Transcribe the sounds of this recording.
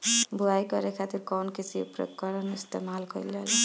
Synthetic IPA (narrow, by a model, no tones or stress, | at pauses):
buajkʌɾekʰat̪iɾkɔnkisiḛpɾḛkɔɾɔnist̪emalkʌ̰lel